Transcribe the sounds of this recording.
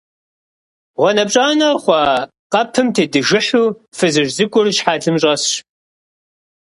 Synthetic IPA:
ʁʷɔnɐp̚ʼɕʼaːnɐχʷɑ | qɐpʰɨmtʰeːdɨʒɪħuː | fɨzɨʒzɨkʷʼʊrʃħaːɮɨmɕʼɐs

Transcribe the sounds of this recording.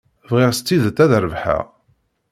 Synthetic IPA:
vʁɪʁst̪ːiðt̪ːæðəɾəvħæ̰ʁ

